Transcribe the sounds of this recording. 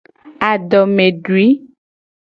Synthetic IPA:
a˨ɖɔ˨mẽ˨ɖu˨i˨˦

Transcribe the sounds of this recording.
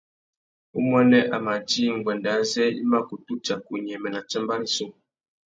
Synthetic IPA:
u˦mɔ˦nɛ˦ʔa˨ma˨d͡ʒi˦ŋ̩˨ɡ͡bwɛ˨nda˨˦zɛ˦ḭ˦ma˦˨ku˨tu˦t͡ʃa˨ku˨ɲɛ˨mɛ˨na˨t͡ʃɛ˦mba˦ɾi˦so˦˨

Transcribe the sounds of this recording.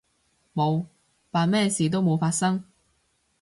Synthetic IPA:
mo˨˧w | paː˨˩nmɛː˥˩siː˨t̪̬o˥wmo˨˧wfaː˧t̚sɐ˥ŋ

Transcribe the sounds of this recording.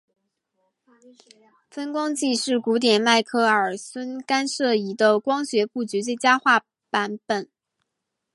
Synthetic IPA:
fə˥nkwɑ˥ŋt͡ɕi˥˧ʂɻ̩˥˩ku˧˥t̪̬jɛ˨˩nma˥˩ɪkʰɤ˥˩ə˞˨˩swə˥nka˥nʂɤ˥˩i˧˥t̪ə˥˧kwɑ˥ŋɕɥɛ˧˥pu˥˩t͡ɕy˧˥t͡swe˥˩ɪt͡ɕja˥xwa˥˩ | pa˧˥npə˨˩˦n

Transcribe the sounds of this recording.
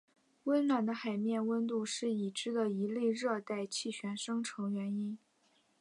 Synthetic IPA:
wə˥nlwa˨˩nd̪ə˦xa˨˩ɪmjɛ˥˩˧nwə˥nt̪u˥˧ʂɻ̩˥˩i˨˩ʈ͡ʂɻ̩˥d̪ə˨i˧˥le˥˧ɪɻɤ˥˧t̪a˥˧ɪt͡ɕʰi˥˩ɕʰɥɛ˧˥nʂɤ˥ŋʈ͡ʂʰɤ˧˥ŋɥɛ˧˥ni˥n

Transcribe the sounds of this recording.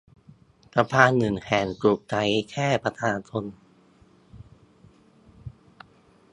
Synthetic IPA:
pa˧pʰaː˧nːɯ˨˩ŋhɛː˨˩nku˨˩k̚t͡ɕa˨˦jkʰɛː˥˩pa˧t̪ʰaː˧nt͡ɕʰo˧n

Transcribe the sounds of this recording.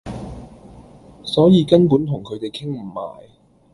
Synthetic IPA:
sɔː˨˥jiː˨˧kɐ˥npuː˨˥nt̪ʰʊ˨˩ŋkʰɵ˨˧ɥt̪e˨jkʰɪ˥ŋm̩˨˩ma̰ː˨˩j

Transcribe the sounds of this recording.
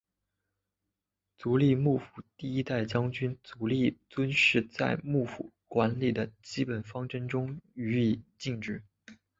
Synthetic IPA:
t͡su˧˥li˥˧mu˥˩fu̥˨˩t̪i˥˩i˥t̪a˥˩ɪt͡ɕjɑ˥ŋt͡ɕy˥nt͡su˧˥li˥˩t͡swə˥nʂɻ̩˥˧t͡sa˥˧ɪmu˥˩fu˨˩˦ | kwa˧˥nli˨˩d̪ə˦t͡ɕi˥pə˨˩nfɑ˥ŋʈ͡ʂɤ˥ŋʈ͡ʂʊ˥ŋy˧˥i˨˩t͡ɕi˥˧ŋʈ͡ʂɻ̩˥˩

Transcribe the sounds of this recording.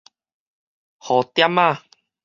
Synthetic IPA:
hɔ˨˩t̪ja˦˥ma˥˧˨

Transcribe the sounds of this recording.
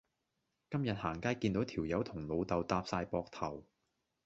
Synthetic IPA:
kɐ˥mjɐ˨t̚haː˨˩ŋkaː˥jkiː˧nt̪o˨˧˥wt̪ʰiː˨˩wjɐ˨˥wt̪ʰʊ˨˩ŋlo˨˧wt̪ɐ˨˧wt̪aː˧p̚saː˧jpɔː˧k̚t̪ʰɐ˨˩w

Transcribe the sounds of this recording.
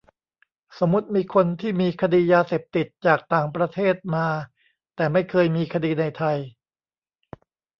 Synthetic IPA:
so˩˦mːu˦˥t̪̚miː˧kʰo˧nt̪ʰiː˥˩miː˧kʰa˧diː˧jaː˧seː˨˩p̚t̪i˨˩t̪̚t͡ɕaː˨˩k̚t̪aː˨˩ŋpɾa˧t̪ʰeː˥˩t̪̚maː˧ | t̪ɛː˨˩ma˥˩jkʰɤː˧jmiː˧kʰa˧diː˧na˧jt̪ʰa˧j

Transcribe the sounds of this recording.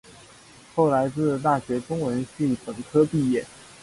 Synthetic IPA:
xo˥˩ʊla˧˥ɪt͡sɹ̩˥˧˩t̪̬a˥˩ɕɥɛ˧˥kʊ˥ŋwə˧˥nɕi˥˩ŋpə˨˩ŋkʰɤ˥pi˥˧jɛ˥˩

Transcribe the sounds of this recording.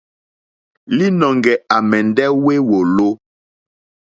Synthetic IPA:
li˦nɔ˨ŋɡɛ˨a˨mɛ˨ndɛ˦we˦wo˨lo˦

